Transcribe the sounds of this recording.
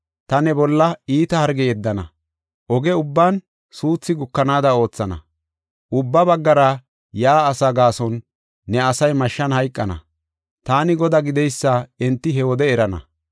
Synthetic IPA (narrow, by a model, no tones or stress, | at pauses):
t̪ɐnɛbɔlːɐiːt̪ɐhɐɾɡɛɛd̪ːɐnɐ̰ | ʔɔɡɛʊbːaːn | suːt͡sːɪɡʊkːɐnaːd̪ɐo̞ːt͡sːɐnɐ̰ | ʔʊbːɐbɐɡːɐɾɐ | jaːsɐɡaːsɔnː | ɛɐsɐjmɐʃːɐnhɐjkʼːɐnɐ̰ | t̪aːnɪɡɔd̪ɐɡɪd̪ɛjsːaɛnt̪ːɪɦɛwɔd̪ɛɛɾɐnɐ̰